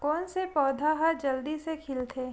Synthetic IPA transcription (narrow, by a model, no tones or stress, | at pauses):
kɔːnsepɔːd̪ʱaɦɐɾd͡ʒɐld̪isekʰɪlt̪ʰeː